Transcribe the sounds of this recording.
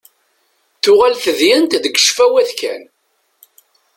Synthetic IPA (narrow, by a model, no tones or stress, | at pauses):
θʊʁalθəðjənt̪d̪ɡə̥ʃfæwæðkæ̰n